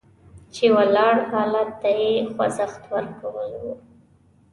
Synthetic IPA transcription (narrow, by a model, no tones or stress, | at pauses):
t͡ʃewalɑɽhɑlat̪ːajexwa̰zaxt̪wəɾkawəlwu